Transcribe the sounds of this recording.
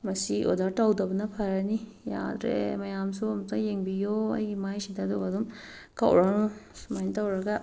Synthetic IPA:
mɐsiʔo̰daɾtawdɐbɐnɐpʰaɾani | ja̰d̪ɾḛmɐjamsumtʰajeŋbijoɐ̰jɡimajsid̪ad̪oɐdum | ka̰wɾanusmajntawɾɐɡa

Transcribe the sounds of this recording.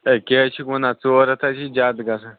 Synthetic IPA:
ekʲeːt͡ʃʰikonat͡soːɾɐt̪ʰat͡ʃʰid͡ʒaːd̪ɡasa

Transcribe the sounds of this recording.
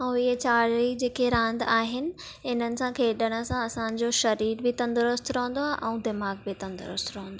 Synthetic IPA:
ɪɦet͡ɕaːɽɾid͡ʑeːkʰeɾãːnd̪aːɦɪnɪ̆ | ɪn̤ənɪ̆sãkʰeːɗəɽ̃ə̆sãɐsãɲ̆d͡ʑoʃɐɾiːɾbɪt̪ɐ̃nd̪ʊɾʊst̪ɾəːə̃nd̪oaːʔɛ̃ũd̪ɪmaːɡ̚bɪt̪ɐ̃nd̪ʊɾʊst̪ɾɐɦə̃nd̪oː

